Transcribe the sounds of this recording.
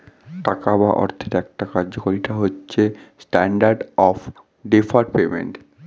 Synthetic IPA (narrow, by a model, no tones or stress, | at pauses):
ʈakabaʔɔ̰ɾt̪ʰeɾɛk̚ʈakaɾd͡ʑokoɾiʈaɦotːɕʰesʈɛɳɖaɾɖɔf | ɖefʰaɾpemḛɳʈ